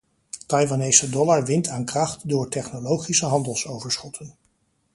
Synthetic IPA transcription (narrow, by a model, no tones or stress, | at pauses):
tɑjʋanejsədɔlaɹʋɪntaːnkrɑχtdʊːɹtɛχnolowχisəɦɑndəlˠsowvəɹsχɔtʰən